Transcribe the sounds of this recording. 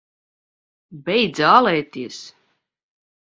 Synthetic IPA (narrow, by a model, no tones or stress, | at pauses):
bɛjd̪zaːlˠɛːt̪iɛs